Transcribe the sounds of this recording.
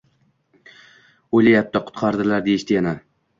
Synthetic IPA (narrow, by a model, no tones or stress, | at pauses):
ojlajap̚t̪ʰaqʰʊ̥t̪qʰɑɾd̪ɪlaɾd̪eɪʃt̪ɪjana